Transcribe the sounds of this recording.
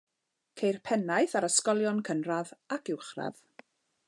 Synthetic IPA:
kʰejrpʰɛnajθaɾəskɔlˠjɔnkʰənraðakɪwχra̰ð̥

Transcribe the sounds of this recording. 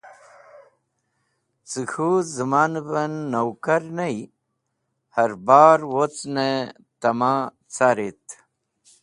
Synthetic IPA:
t͡sixuzəmanbɐnːowkɐɾnɐj | hɐɾbaːɾwot͡sne | t̪ɐma | t͡saɾit̪

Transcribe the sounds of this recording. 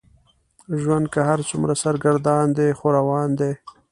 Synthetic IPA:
ʒwand̪̚kaɦaɾt͡sumɾasaɾɡaɾd̪ɑnd̪exoɾawɑːnd̪e

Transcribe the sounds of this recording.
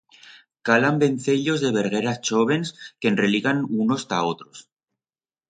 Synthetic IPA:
kalambe̞nθeʎo̞zðeβe̞ɾɣeɾat͡ʃoβe̞nskenreliɣanuno̞st̪a̰ot̪ɾo̞s

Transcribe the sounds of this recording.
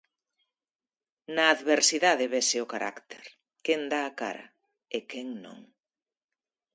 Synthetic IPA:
nɐːðβeɾsiðaðɪβesɪʊkaɾʔa̰kt̪ʰeɾ | kend̪aːka̰ɾɐ̰ | ekeŋnõ̰ŋ

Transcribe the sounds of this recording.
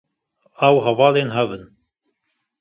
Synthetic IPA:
awɦɐvɑːleːnɦɐvən

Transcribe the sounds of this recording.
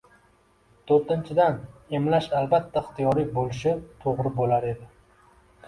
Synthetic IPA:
t̪ʰoɾt̪ɪnt͡ʃʰɪd̪ane̞mlaʃalbat̪ʰːaɪχt̪ijɒɾɪkʲbolɪʃɪt̪ʰoʁɾɪbolaɾe̞d̪ɪ

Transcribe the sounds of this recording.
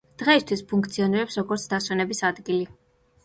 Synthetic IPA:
d̪̥ʁɛist̪ʰwispʰuŋkʰt̪sʰiɔniɾɛpsɾɔɡɔɾt̪sʰd̪aswɛnɛbisad̪ɡili

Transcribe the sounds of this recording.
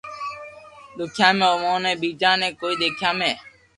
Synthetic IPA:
ɗ̪ʊkʰjãːmẽːoːmõːnẽːɓiːd͡ʒãːnẽːkoːiːɗ̪eːkʰjãːmẽː

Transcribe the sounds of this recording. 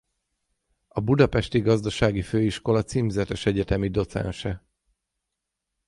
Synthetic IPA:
ɒbud̪ɒpɛʃt̪iɡɒzd̪ɒʃaːɡiføːiʃko̞lɒt̪siːmzɛt̪ɛʃɛɟɛt̪ɛmid̪o̞t̪sɛ̰nʃɛ

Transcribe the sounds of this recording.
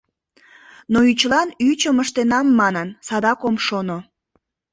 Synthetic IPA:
noyt͡ɕlɑnyt͡ɕəməʃt̪enɑmːɑnənsɑd̪ɑkomʃono

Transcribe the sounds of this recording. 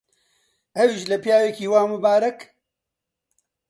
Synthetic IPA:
ɐwiʃlɐpjaːwekiːwaːmubaːɾɐk

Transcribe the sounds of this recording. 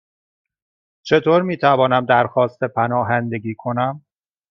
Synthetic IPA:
t͡ʃʰe̞t̪ʰoːɾmiːt̪ʰævɒːnæmd̪æɾxɒːst̪ʰe̞pʰænɒːɦænd̪e̞ɡiːkʰo̞næm

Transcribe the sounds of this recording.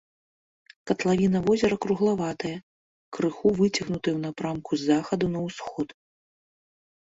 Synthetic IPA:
kɐt̪lˠavʲinɐvɔzʲɛɾɐkɾuɣlˠavat̪ɐjɐ | kɾɨxuvɨt͡sʲɐɣnut̪ɨjɛwnapɾamkʰuzaxɐd̪unɐwsxɔt̪

